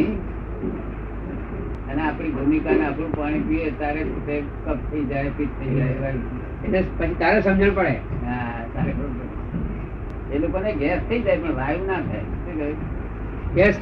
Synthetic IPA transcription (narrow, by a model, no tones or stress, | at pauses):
i | əneapɽ̃ibʱumikaneapɾũpaɽ̃ekuet̪aɾesut̪e | kəp̚t̪ʰəid͡ʒaepiʈ̚t̪ʰəid͡ʒaeʋajũ | enepət͡ʃʰit̪aɾesəmd͡ʒʱəɽpəɽeɦa | t̪aɾebəɾũpəɾ | elokoneɡɛst̪ʰəid͡ʒajpəɳʋajũnat̪ʰajtik | ɡɛs